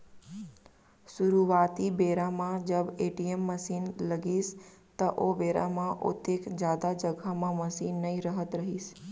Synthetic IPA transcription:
suɾuʋat̪ibeɾamãd͡ʒəbeʈiemːəsinləɡist̪əʔobeɾa̰mãʔo̰t̪ekd͡ʒjad̪ad͡ʒəɡʱamãməsinːəĩɾəɦət̪ɾəɦiʃ

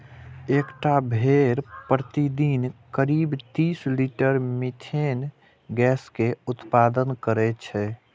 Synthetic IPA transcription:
ekʈabʱeɾpɾət̪id̪inkəɾibt̪isliʈəɾmit̪ʰen | ɡɛːskeʊt̪pad̪ənkəɾɛt͡ʃʰɛ

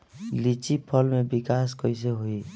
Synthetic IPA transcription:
lit͡ʃipʰɔlmebikaskɔjs̬eɦoi

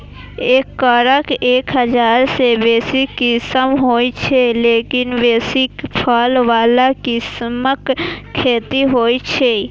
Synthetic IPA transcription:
ekːəɾəkeːkɦəd͡ʒaːɾsebeːsikɪsəmɦoːjt͡ʃʰelekinbeːsikpʰəlʋaːlakɪsməkʰːeːt̪iɦoːjt͡ʃʰe

